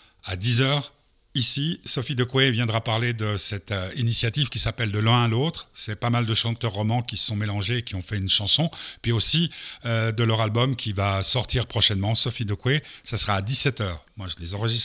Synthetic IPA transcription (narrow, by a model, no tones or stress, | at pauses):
ad̪izœːʁ | isisɔfid̪əkwevjɛ̃d̪ʁapaʁled̪əsɛt̪inisjat̪ivkʲisapɛld̪əlɛ̃alot̪χsɛpamald̪əʃɑ̃t̪œʁːɔmɑ̃kʲisə̥sɔ̃melɑ̃ʒeːkʲiɔ̃fɛynʃɑ̃sɔ̃epɥiosiød̪əlœʁalbɔmkʲʰivasɔʁt̪iʁpχɔʃɛnmɑ̃sɔfid̪əkwesasəʁaːd̪isɛt̪œːʁmwaʒəlezɑ̃ʁəʒist̪